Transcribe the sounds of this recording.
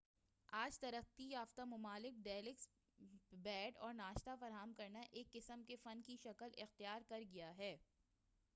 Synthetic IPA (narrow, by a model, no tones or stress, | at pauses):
aːd͡ʒt̪ɐɾəqt̪ijaːft̪amʊmaːlɪk̚ɖɛːlɪks | bɛːɖɔːɾnaːʃt̪afɐɾɦaːmkɐɾnaʔeːkːɪsəmkefɐnkiʃɐkəlɪxt̪ijaːɾkɐɾɡɐjaɦɛː